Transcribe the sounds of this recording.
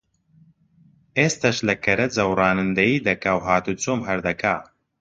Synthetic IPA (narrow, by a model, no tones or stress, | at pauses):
eːst̪ʰɐʃlɐkʰɐɾɐd͡zɐwrɑːnɨnd̪ɐjiːd̪ɐkawɦaːt̪ut͡soːmɦɐɾd̪ɐkʰaː